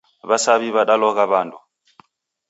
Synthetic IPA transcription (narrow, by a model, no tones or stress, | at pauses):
βasaβiβaɗalɔɣaβandu